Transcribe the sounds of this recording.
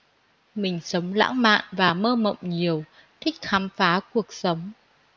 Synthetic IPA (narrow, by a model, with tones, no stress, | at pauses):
mï˨˩ŋ̟sə˨˦wŋ͡mla̰ː˧˥ŋma̰ː˧˨nvaː˨˩məː˧mə̰˧˨wŋ͡mɲi˨˩əw | t̪ʰï˦˥k̚xaː˨˦mfaː˨˦ku˨˩ək̚sə˨˦wŋ͡m